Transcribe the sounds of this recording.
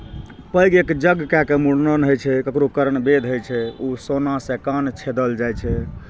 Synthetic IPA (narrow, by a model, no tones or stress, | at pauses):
pəjɡekd͡ʒəɡkakemuɽnənɦojt͡ʃʰɛkəkɾokəɾənbed̪ʱɦojt͡ʃʰɛusonasekant͡ʃʰed̪əld͡ʒajt͡ʃʰɛ